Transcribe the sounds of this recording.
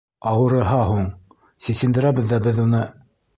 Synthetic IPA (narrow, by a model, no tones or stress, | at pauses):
ɑwɤ̆ɾɤ̆ɦɑɦuɴ | sisɘ̆nd̪ɘ̆ɾæβɘ̆ðːæbɘðunɤ